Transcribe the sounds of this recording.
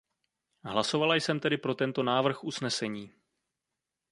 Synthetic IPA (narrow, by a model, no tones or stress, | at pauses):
ɦlaso̞valajsɛmt̪ɛdɪpɾo̞t̪ɛnt̪o̞naːvr̩xʔusnɛsɛɲiː